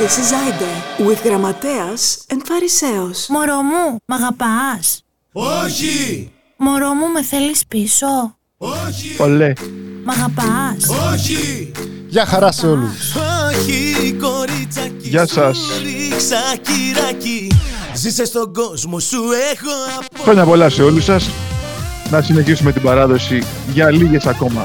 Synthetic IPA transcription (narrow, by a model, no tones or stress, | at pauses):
esizɐjd̪eɾuiθɣɾɐmɐt̪eɐsenfɐɾiseosmoɾomumɐɣɐpɐs | oçi | moɾomume̞θe̞lispiso̞ | polemɐɣɐpɐs | ʝɐxɐɾɐseolusoçikoɾit͡sɐcʝɐsɐsɾiksɐciɾɐcizisest̪oɡo̞zmosuexoɐpxɾoɲɐpo̞lɐse̞o̞lusɐs | nɐsine̞çisume̞t̪ibɐɾɐðo̞si | ʝɐliʝe̞sɐko̞mɐ